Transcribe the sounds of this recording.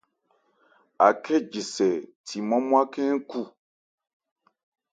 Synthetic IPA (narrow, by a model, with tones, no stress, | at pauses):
a̰˨kʰɛ˦d͡ʒi˨sɛ˨tʰi˨mɔ̃˦mũ˦a˦kɛ˦ku˦